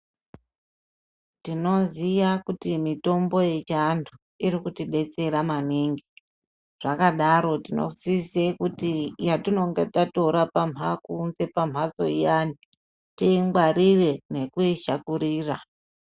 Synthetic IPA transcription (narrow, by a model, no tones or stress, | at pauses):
tino̞ziʋakutimito̞mbo̞je̞t͡ʃandʰu | iɾikutiɗe̞t͡se̞ɾamaniŋɡi | ʐ̥akaɗaɾo̞tino̞̰zisekutijatino̞ŋɡetato̞ɾapam̤ʱakunze̞pam̤ɦat͡so̞̰ijani | tiŋɡwaɾire̞ne̞kuiʃakuɾiːra